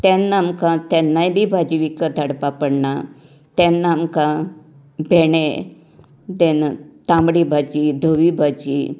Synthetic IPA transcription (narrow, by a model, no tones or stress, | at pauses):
t̪ɛnːamkãt̪ɛnːajbʱiːbʱad͡ʑiʋikəd̪ʱaɽpapəɽna | t̪ɛnːaːmkã | bʱeɳe | d̪enat̪ãmɽibʱad͡ʑid̪ʱəʋibʱad͡ʑi